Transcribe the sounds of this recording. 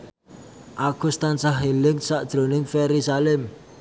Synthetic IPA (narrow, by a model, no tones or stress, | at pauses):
ʔakust̪ansaɦilɪŋsaʔd̥ʒ̥ɾo̤nɪŋfeɾisalɛm